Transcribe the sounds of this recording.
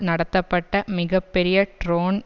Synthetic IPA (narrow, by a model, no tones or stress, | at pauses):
nɐɽɐt̪ːɐpːeʈːɐmiɣɐpːeɾijɐʈroːɳ